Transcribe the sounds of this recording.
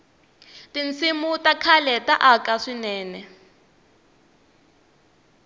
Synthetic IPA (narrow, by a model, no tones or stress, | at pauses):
tint͡sʰimutakʰalɛtaʔakaʂinɛːnɛ